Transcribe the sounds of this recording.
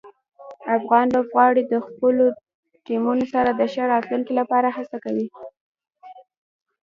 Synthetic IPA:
afɣɑnlobɣɑɽid̪əxpəlo | ʈimunosaɾad̪əʃaɾɑt̪luŋkilapɑɾahasakawi

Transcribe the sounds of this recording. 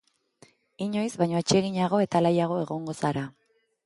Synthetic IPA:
iɲo̞jzβajɲo̞et͡ʃie̞ɣiɲaɣ̞o̞e̞t̪alajaɣ̞o̞e̞ɣo̞ŋɡo̞saɾa

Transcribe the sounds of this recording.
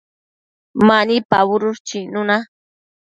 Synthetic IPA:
manipaβʊɾʊɾt͡ʃinʊna

